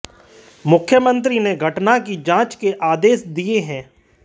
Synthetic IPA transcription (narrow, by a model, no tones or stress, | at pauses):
mʊkʰjəmə̃nt̪̬ɾineɡʱɐʈnakid͡ʒãːt͡ʃkeʔaːd̪eːsd̪ieɦɛ̃ː